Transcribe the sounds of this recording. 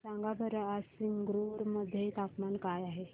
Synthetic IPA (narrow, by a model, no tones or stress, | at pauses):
sãŋɡabəɾasiŋɡɾuɾməd̪ʱːjet̪apmankajaɦe